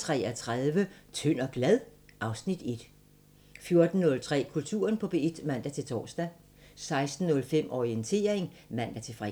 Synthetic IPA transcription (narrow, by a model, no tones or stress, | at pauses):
t͡sʰʁɛ̰ːæt͡sʰʁaðˠʋət͡sʰøn̰ɒ̽ɡ̥læðˠʔɑ̈ʊsnid̥e̝d̥ | fjo̝ɐd̥n̩nɔ̽lt͡sʰʁɛ̰ːkʰult͡sʰṵːɐnpʰɒ̽b̥e̝ed̥mæn̰d̥æt͡sʰe̝lt͡sʰɒ̰ːsd̥æ | sɑ̈ɪsd̥n̩ːɔ̽lfem̰ʔɒiənt͡sʰe̝̰ːɐeŋmæn̰d̥æt͡sʰe̝lfʁɛ̰